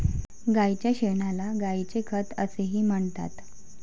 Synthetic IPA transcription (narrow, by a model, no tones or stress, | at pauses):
ɡajt͡ɕjaɕeɳalaɡait͡sekʰət̪əseɦiːm̤əɳt̪a̰t̪